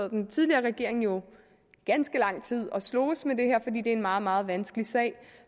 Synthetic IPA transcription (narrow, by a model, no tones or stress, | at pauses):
ð̩ˠd̥ent͡sʰið̞ˠliɐːʁɛɡ̥e̝ɐe̝ŋjo̝ | ɡ̥ænsɡ̥əlɑ̈ŋ̰t͡sʰið̰ˠɒ̽slɔːsmed̥e̝heɐ̰fɒ̽d̥ḭːd̥e̝ɐenmɑ̈ːð̞̩ˠmɑ̈ːð̞̩ˠʋænsɡ̥əlisɛ̰ːɪ